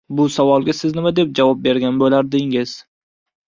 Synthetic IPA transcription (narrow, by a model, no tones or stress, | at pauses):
bʊsavɒlˠɡʲasɪznɪmad̪e̞p̚d͡ʒavɒp̚be̞ɾɡʲanbolaɾd̪ɪŋɪz̥